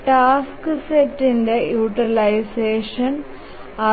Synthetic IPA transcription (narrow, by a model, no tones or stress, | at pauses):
ʈaːskɨsetːinde̞juːʈːilɐjseːʂɐn | ɐ